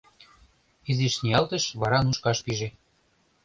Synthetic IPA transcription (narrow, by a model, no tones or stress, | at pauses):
iziʃnʲijɑlt̪ə̆ʃβɑɾɑnuʃkɑʃpiʒe